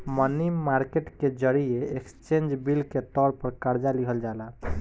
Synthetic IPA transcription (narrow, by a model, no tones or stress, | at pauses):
mənimːaɾkeʈked͡ʒəɾijeekst͡ʃend͡ʒbilket̪ɔɾpəɾkaɾd͡ʒaliɦəld͡ʒala